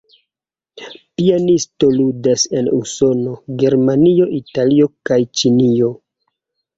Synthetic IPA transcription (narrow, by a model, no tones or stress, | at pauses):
pianisto̞ludase̞nṵso̞no̞ɡe̞ɾmanio̞ʔitalio̞kajt͡ʃinio̞